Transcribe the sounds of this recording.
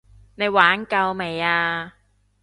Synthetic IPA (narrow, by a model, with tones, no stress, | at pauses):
ne˨˧jwaː˨˥nkɐ˧wme˨˩jaː˧